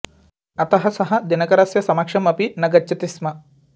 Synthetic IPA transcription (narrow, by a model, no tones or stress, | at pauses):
ɐt̪ɐɦɐsɐɦɐ̆d̪inɐkɐɾɐsjɐsɐmɐkʂɐmɐpinɐɡɐt͡ʃːɐt̪ismɐ